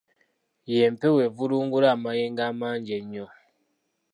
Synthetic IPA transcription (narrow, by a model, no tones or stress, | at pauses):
jempewevuluːŋɡulaːmajeːŋɡaːmaːɲɟeɲːo